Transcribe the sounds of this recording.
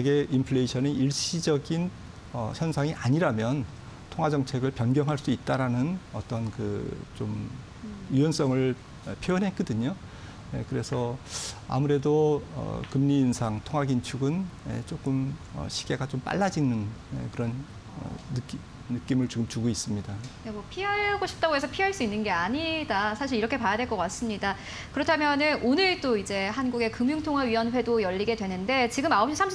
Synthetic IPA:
eɡe̞ʔimpʰɭeɕʰʌneʔiɭɕ͈id͡ʑʌɡin | ʌ̰çʰjʌnsʰaŋiʔaɲiɾamjʌn | tʰoŋɦad͡ʑʌŋt͡ɕʰe̞ɡɯɭpjʌnɡjʌŋɦaɭs͈uit̚t͈aɾanɯnʌt͈ʌnkɯ̰t͡ɕom | uwʌns͈ʌŋɯɭ | ʌpʰjoʌnɦek͈ɯdɯɲo | je̞kɯɾe̞sʰʌa̰muɾe̞doʌ̰kɯmɲiːnsʰaŋtʰoŋɦaɡint͡ɕʰuɡɯnje̞̰t͡ɕ͈ok͈ɯmʌ̰ɕʰi̥ɡe̞ɡat͡ɕomp͈a̰ɭːad͡ʑinɯnḛkɯɾʌn | ʌ̰ːɯkiː | ɯk͈imɯɭt͡ɕuɡɯmt͡ɕuɡois͈ɯmɲidanemwʌpʰiɦaeaɡoɕʰi̥p̚t͈aɡoɦe̞s̬ʰʌpʰiɦaɭs͈uinːɯnɡe̞aɲidasʰaɕ̬ʰiɾiɾʌkʰe̞pajadwe̞ɭkʌk͈as͈ɯmɲida | kɯɾʌtʰamjʌnɯnonɯɭt͈oid͡ʑe̞ɦanɡuɡe̞kɯmjuŋtʰoŋɦaɥiwʌnɸwe̞dojʌʎːiɡe̞dwe̞nɯnde̞t͡ɕiɡɯmaop̚ɕ͈isʰam

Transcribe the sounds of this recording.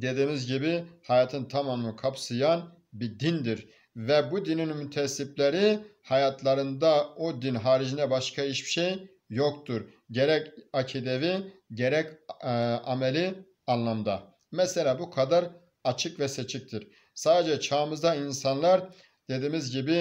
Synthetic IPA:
d̪e̞d̪iːmizɟibihajaːt̪ʰɯnt̪ʰamamɯkʰapsɯjan | bid̪ind̪iɾ | vɛbud̪ininmyt̪ʰɛsiplʲeɾihajat̪ʰlˠaɾɯnd̪aod̪inɦaːɾid͡ʒind̪ɛbaʃkʰaiʃbi̥ʃej | jokt̪ʰuɾ | ɟeɾɛcacʰid̪eviɟeɾɛc | amelʲi | anlˠamd̪a | mɛselʲaːbukʰad̪aɾ | at͡ʃʰɯkvɛset͡ʃʰic̚t̪ʰiɾ | saːd̪ed͡ʒɛt͡ʃʰaːmɯzd̪ainsanlˠaɾ | d̪̥e̞d̪iːmizɟibi

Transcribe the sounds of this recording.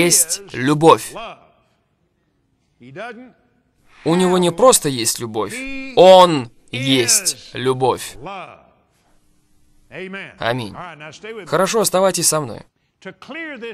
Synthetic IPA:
jesʲtʲlʲʊbo̞fʲ | ʊnʲɪvo̞nʲɪpɾo̞st̪əjesʲtʲlʲʊbo̞̰fʲon | jesʲtʲlʲʊbo̞fʲ | ɐ̰mʲḭnʲxəɾɐʂoɐst̪ɐvajtʲɪsʲsɐmno̰jʰ | l

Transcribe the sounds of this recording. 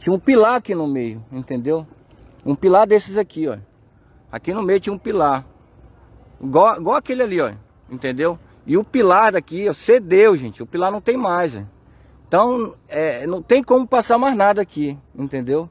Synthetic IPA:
t͡ʃĩɲɐũpilaɾakinʊmejʊẽt̪ẽnd̪ew | ũpilaɾd̪esɪzakiɔ̰ | a̰kinʊmejʊt͡ʃĩɐ̃ũpilaɾ | ɡɔɡoakelɪaliɔ | ḛ̃nt̪ẽnd̪ew | ɪʊpilaɾd̪akiɔsed̪ewʒẽnt͡ʃɪʊpilaɾnɐ̃w̃t̪ẽj̃majzɛ̰ | ẽt̪ɐ̃w̃ɛnɐ̃w̃t̪ẽj̃kõmʊpasaɾmajznad̪ɐakiẽt̪ẽd̪ew

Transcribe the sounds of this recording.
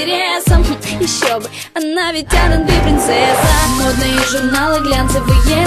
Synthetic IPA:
ɪɾʲesəmjɪɕːobɨ | ɐnavʲɪt̚ʲtʲːaɾənbʲɪpɾʲɪnt̪sɛsəmod̪nɨjəʐʊrnalˠɨɡlʲant̪sɨvʊjɛ

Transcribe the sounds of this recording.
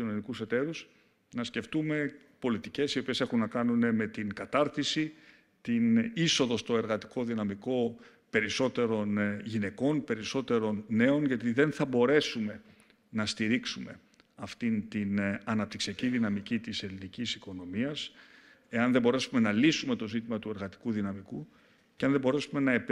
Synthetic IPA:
ino̞nikuse̞t̪e̞ɾus | nɐsce̞ft̪ume̞ | po̞lit̪ice̞sio̞pie̞se̞xunːɐkɐnune̞me̞t̪iŋkɐt̪ɐɾθisi | t̪iniso̞ðo̞st̪o̞e̞ɾɣɐt̪i̥ko̞ðinɐmiko̞ | pe̞ɾiso̞t̪e̞ɾo̞nʝine̞ko̞npe̞ɾiso̞t̪e̞ɾo̞nːe̞o̞nʝɐt̪̬iðe̞nθɐbo̞ɾe̞sume̞ | nɐst̪iɾiksume̞̰ | ɐft̪int̪inɐnɐp̚t̪iksiɐciðinɐmicit̪ise̞linicisiko̞no̞miɐs | e̞ɐnðebo̞ɾe̞sume̞nɐlisume̞t̪o̞zit̪imɐt̪ue̞ɾɣɐt̪i̥kuðinɐmiku | ceɐnðebo̞ɾesume̞nɐe

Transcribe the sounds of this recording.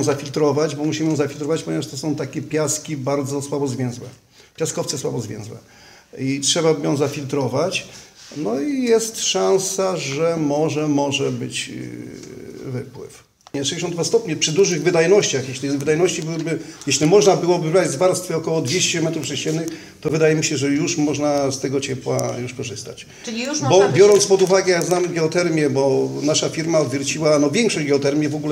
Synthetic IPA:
zafʲilt̪ɾɔvad͡ʑbɔmuɕimɘjɔ̃w̃zafʲilt̪ɾɔvat͡ɕpɔɲɛvaʂt̪ɔsɔ̃w̃t̪akʲɛpʲjaskʲibaɾd̪zɔswabɔzvʲjɛ̃w̃zwɛ̰ | pʲjaskɔftsɛswabɔzvʲjɛ̰̃w̃zwɛ̰ | itʂɛbabjɔ̃w̃zafʲilt̪ɾɔvat͡ɕnɔijɛst̪ʂãw̃saʐɛmɔʐɛmɔʐɛbɘ̰t͡ɕ | vɘpwɘ̰f | ɲɛʂɛeɕ̬ɔnd̪vast̪ɔpɲɛpʂɘd̪uʐɘɣvɘd̪ajnɔɕt͡ɕaxjɛɕlʲivɘd̪ajnɔɕt͡ɕibɘwbɘjɛɕlʲimɔʐnabɘwɔbɘvɾad͡ʑzvaɾst̪fɛɔkɔwɔd̪vʲjeɕt͡ɕɛmɛt̪ɾufʂɛɕt͡ɕɛnːɘx | t̪ɔvɘd̪ajɛmʲiɕɛʐɛjuʂmɔʐnast̪ɛɡɔt͡ɕɛpwa̰juʂkɔʐɘst̪at͡ɕ | ubɔbjɔɾɔnt̪spɔd̪uvaɡɛjaɡznamɡʲɛɔt̪ɛɾmʲjɛbɔnaʂafʲiɾmaɔd̪vʲjɛɾt͡ɕiwanɔvʲjɛŋkʂɔʑd͡ʑɡʲɛɔt̪ɛɾmʲjɛvɔɡulɛ

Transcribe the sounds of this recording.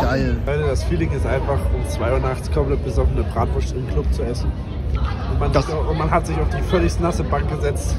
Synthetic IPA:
ɡ̥aɪlhaʏtdasfiːlɪŋɪstʔaɪnfaχʊmt͡sv̥aɪuːɐnaχt͡skʰɔmplɛt̚b̥əzɔfn̩əbʁaːtv̥ʊʃtɪmkʰlʊp̚t͡suɛsn̩ | ʔʊntmanzɪʊntmanɦatz̥ɪçaʊfd̥iːfœlɪçtnasɪbaŋk̚ɡ̥əzɛt͡st

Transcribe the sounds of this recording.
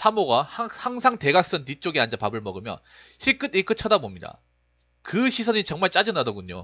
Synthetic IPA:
sʰamoɡahahaŋsʰaŋte̞ɡak̚s͈ʌntit͡ɕ͈oɡiand͡ʑapabɯɭmʌɡɯmjʌ̰n | çʰiɭk͈ɯdik͈ɯt͡ɕʰʌdabomɲida̰ | kɯɕʰisʰʌɲit͡ɕʌŋmaɭt͡ɕ͈ad͡ʑɯnadʌɡuɲo̰

